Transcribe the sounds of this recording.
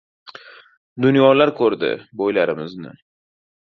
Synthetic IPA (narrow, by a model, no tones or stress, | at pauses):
d̪ʊnjɒlaɾkʰɵɾd̪ɪ̰bojlaɾɪmɪznɪ̰